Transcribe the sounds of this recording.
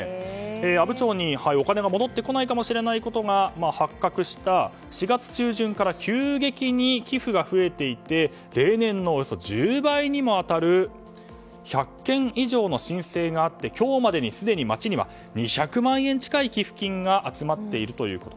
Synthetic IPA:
eːabɯ̟t͡ɕo̞ːɲ̟ihaio̞kane̞ɡamo̞d̪o̞t̪ːe̞ko̞naikamoɕiɾe̞naiko̞t̪o̞ɡamahakːakɯ̟ɕi̥t̪a | ɕiɡat͡sɨ̥t͡ɕɨːʑɨ̃ŋkaɾakʲɨːɡe̞kʲiɲ̟ikʲiɸɯ̟ɡaɸɯ̟e̞t̪e̞it̪e̞ | ɾe̞ːnẽ̞nːo̞ːjoso̞̰d͡ʑɨːbaiɲ̟imo̞at̪aɾɯ̟ | çakːẽ̞ɰ̃iʑo̞ːno̞ɕĩɰ̃se̞ːɡaːt̪ːe̞kʲo̞ːmad̪e̞ɲ̟isɨd̪e̞ɲ̟imat͡ɕiɲ̟iβa̰ | ɲ̟içakɯ̟mãɰ̃ẽ̞ɲ̟t͡ɕi̥kaikʲiɸɯ̟̥kʲĩŋɡaʔat͡sɨmat̪ːe̞iɾɯ̟t̪o̞jɯ̟̰ːko̞t̪o

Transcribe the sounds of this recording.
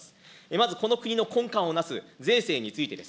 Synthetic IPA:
sɨ̥emazɨko̞no̞kɯ̟ɲ̟ino̞kõ̞ŋkãɰ̃o̞nasɨd͡ze̞ːse̞ːɲ̟it͡sɨit̪e̞d̪es

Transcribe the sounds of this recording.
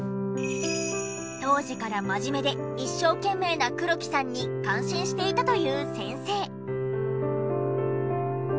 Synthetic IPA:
t̪o̞ːʑikaɾamaʑime̞d̪e̞iɕːo̞ːkẽ̞mːe̞ːnakɯ̟ɾo̞kʲi̥sãɲ̟ːikãɰ̃ɕĩɰ̃ɕi̥t̪e̞it̪at̪o̞jɯ̟ːsẽ̞ɰ̃se̞ː

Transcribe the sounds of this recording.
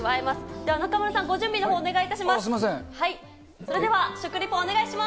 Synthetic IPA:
βaemasɨ̥d̪e̞βanakamɯɾasãŋɡo̞ʑɨ̃mbʲinoɦoːne̞ɡait̪aɕimassiasẽhai | so̞ɾe̞d̪e̞βaɕokɯ̟ɾʲipːoːne̞ɡaiɕima

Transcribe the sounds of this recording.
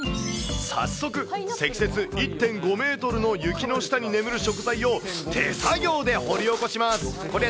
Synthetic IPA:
sa̰sːo̞kɯ̟se̞kʲi̥se̞t͡sɨit̪ːẽ̞ŋɡo̞me̞ːt̪o̞ɾɯ̟no̞jɯ̟kʲino̞ɕi̥t̪aɲ̟ine̞mɯ̟ɾɯ̟ɕo̞kɯ̟zaio̞t̪ʰe̞̰saɡʲo̞ːd̪e̞ho̞ɾʲio̞ko̞ɕimasɨ̥ko̞ɾe

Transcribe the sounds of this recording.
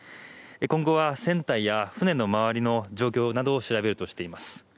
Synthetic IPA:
ekõ̞ŋɡo̞βasẽ̞nt̪aijaɸɯ̟nẽ̞nːo̞maβaɾʲino̞d͡ʑo̞ːk̬ʲo̞ːnad̪o̞ːɕiɾabe̞ɾɯ̟t̪o̞ɕi̥t̪e̞imasɨ̥

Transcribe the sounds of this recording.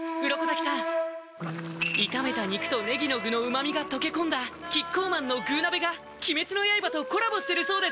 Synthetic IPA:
ɯ̟ɾo̞kozakʲi̥sãŋ̃ | it̪ame̞t̪aɲ̟ikɯ̥t̪one̞ɡʲino̞ɡɯ̟no̞ɯ̟mamʲiɡat̪o̞ke̞kõ̞nd̪akʲikːo̞ːmãnːo̞ɡɯ̟ːnabe̞ɡa | kʲime̞t͡sɨno̞jaibat̪o̞ko̞ɾabo̞ɕi̥t̪e̞ɾɯ̟so̞ːd̪e̞sɨ̥

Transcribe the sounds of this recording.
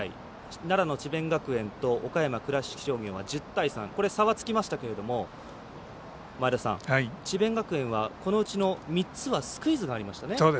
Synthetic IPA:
haḭ | naɾano̞t͡ɕibẽ̞ŋɡakɯ̟ẽ̞nt̪o̞okajamakɯ̟ɾaɕi̥kʲi̥ɕo̞ːɡẽ̞ɰ̃βad͡ʑɨt̪ːaisãŋko̞ɾe̞saβat͡sɨ̥kʲimaɕi̥t̪ake̞ɾe̞d̪o̞mo̞ | maid̪asã̰ŋait͡ɕibẽ̞ŋɡakɯ̟ẽ̞ɰ̃β̞ako̞no̞ɯ̟t͡ɕino̞mʲit͡sɨβasɨ̥kɯ̟izɨɡaːɾʲimaɕi̥t̪ane̞soːd̪e

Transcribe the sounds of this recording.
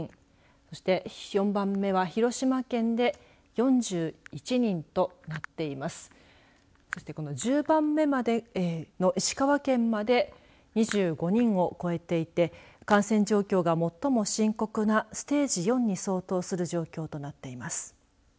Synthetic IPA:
so̞ɕi̥t̪e̞jõ̞mbãmːe̞β̞açiɾo̞ɕimakẽ̞nd̪e̞ | jõ̞ɲd͡ʑɨːit͡ɕiɲ̟ĩnt̪o̞nat̪ːe̞imasɨ̥ | so̞ɕi̥t̪e̞ko̞no̞d͡ʑɨːbãmːe̞mad̪e̞no̞ʔiɕi̥kaβakẽ̞mmad̪e̞ | ɲ̟iʑɨːɡo̞ɲ̟ĩɰo̞ko̞e̞t̪e̞it̪e̞kãɰ̃sẽ̞ɲ̟d͡ʑo̞ːkʲo̞ːɡamo̞t̪ːo̞mo̞ɕĩŋko̞kɯ̟nasɨ̥t̪e̞ːʑijõ̞ɲ̟ːiso̞ːt̪o̞ːsɨɾɯ̟ʑo̞ːkʲo̞ːt̪o̞nat̪ːe̞imasɨ̥

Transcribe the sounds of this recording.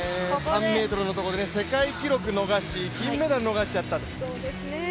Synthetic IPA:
sãmːe̞ːt̪o̞ɾɯ̟no̞t̪oko̞d̪e̞nese̞kaikʲiɾo̞kɯ̟no̞ɡaɕiçʲĩmːed̪aɾɯ̟no̞ɡaɕi̥t͡ɕat̪ːat̪o

